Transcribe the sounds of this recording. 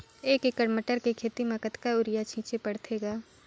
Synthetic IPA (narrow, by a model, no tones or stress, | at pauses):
eːkekəɽməʈəɾkekʰeːt̪imɐkət̪kaʊɾɪjat͡ʃʰĩːt͡ʃepɐɽt̪ʰeːɡaː